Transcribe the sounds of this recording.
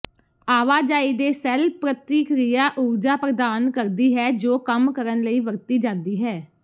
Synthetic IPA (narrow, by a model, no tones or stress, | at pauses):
aːʋaːd͡ʒaːiːd̪eːsɛːlpɾət̪iːkɾijaːʔuːɾd͡ʒaːpɾəd̪aːnkəɾd̪iːɦɛːd͡ʒoːkəmkəɾənləiːʋəɾt̪iːd͡ʒãːnd̪iːɦɛː